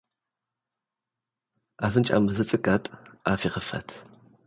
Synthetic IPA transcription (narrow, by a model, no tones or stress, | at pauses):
afɨnt͡ʃʼa̰mɨzɨt͡sʼɨkʼatʼaːfiʁəfɐ̰tʰ